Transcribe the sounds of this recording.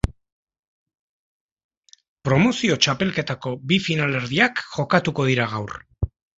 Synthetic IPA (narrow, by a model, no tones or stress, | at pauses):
pɾo̞mo̞sio̞t͡ʃape̞lke̞t̪ako̞bifinale̞ɾðiakʝo̞kat̪uko̞ðiɾaɣ̞awr